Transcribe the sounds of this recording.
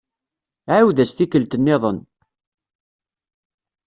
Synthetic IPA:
ʕawðæsθikəlt̪ənːɪðˤən

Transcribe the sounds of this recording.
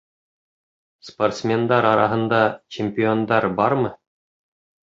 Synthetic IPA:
sport̪smʲend̪ɑɾɑɾɑ̰ɦɤ̆nd̪ɑt͡ɕɪmʲpʲɪond̪ɑɾbɑɾmɤ

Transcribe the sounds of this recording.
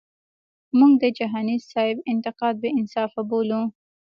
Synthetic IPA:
muŋɡ̚d̪əd͡ʒaɦɑnizsɑɪbɪnt̪ɪqɑd̪̚beɪnsɑfabolu

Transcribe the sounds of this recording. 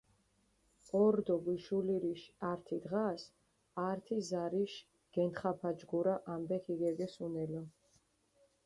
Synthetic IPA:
ɔɾd̪ɔɡiʃuliɾiʃaɾt̪ʰid̪ʁas | aɾt̪ʰizaɾiʃ | ɡ̥ɛnt̪χapʰad͡ʒɡuɾaʔambɛk̪ʰiɡɛɡɛsunɛlɔ

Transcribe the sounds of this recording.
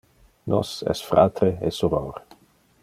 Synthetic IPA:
nɔ̰sɛ̰sfɾa̰t̪ɾeɛ̰soɾoːɾ

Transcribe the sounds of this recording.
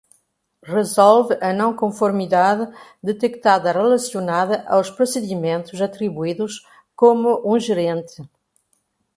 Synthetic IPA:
rezɔlvɨʔɐnɐ̃w̃kõfoɾmiðaðɨd̪et̪ekt̪aðɐrelɐsjonaðɐʔawspɾosɨðimẽnt̪uzɐt̪ɾiβuiðuʃ | komʊʔũʒeɾẽnt̪ɨ

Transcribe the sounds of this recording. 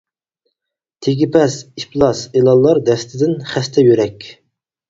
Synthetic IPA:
t̪ʰeɡʲipʰɛsiplˠɑselˠɑlˠːɑɾd̪ɛst̪ʰɪd̪ɪnχæst̪ʰɛjøɾɛkʲ

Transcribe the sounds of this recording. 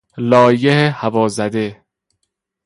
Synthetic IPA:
lɒːjehehævɒːzæd̪e

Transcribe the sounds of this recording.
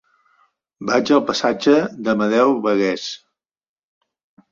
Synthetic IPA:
bad͡ʒəlˠpəsad͡ʒəðəməðɛwβəɣɛs

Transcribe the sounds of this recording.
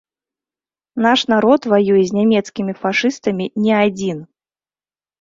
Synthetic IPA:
naʂnaɾɔt̪vajujɛzʲnʲamʲɛt̪skʲimʲifaʂɨst̪ɐmʲinʲɛad͡zʲin

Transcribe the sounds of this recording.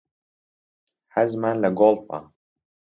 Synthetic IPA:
hɐzmaːnlɐɡoːlfa̰

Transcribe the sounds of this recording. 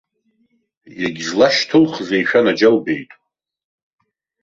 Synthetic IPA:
jaɡʲzlaʃtʰɨlχzejʃᶣanad͡ʒalbe̞jtʼ

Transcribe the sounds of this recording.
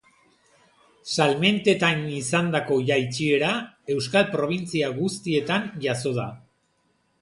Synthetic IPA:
salme̞nt̪e̞t̪anisand̪ako̞ʝajt͡ʃie̞ɾae̞wskalpɾo̞β̞int͡siaɣust̪ie̞t̪anʝaso̞ð̞a

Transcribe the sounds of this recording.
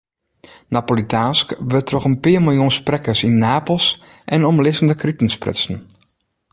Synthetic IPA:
napolitʰanskʋøtʰrɔxənpɪəmɪlˠjunsprɛkəsinːaːpl̩ˠs | ʔɛnɔmlɪsəndəkritn̩sprɪ̰sn̩

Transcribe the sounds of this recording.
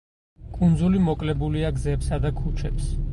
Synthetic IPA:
kʼund̪zulimɔkʼlɛbuliaɡzɛpsad̪akʰut͡ʃʰɛps

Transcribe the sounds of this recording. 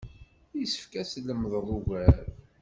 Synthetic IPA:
jsə̥fkæslːəmðˤlˤuɣæɾ

